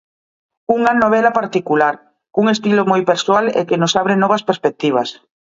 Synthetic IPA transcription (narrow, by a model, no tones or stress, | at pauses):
uŋɐnoβ̞ɛlapaɾt̪ikulaɾ | kuŋest̪ilomɔjpeɾsoalḛkenosaβɾenɔβɐspeɾspek̚t̪iβ̞ɐs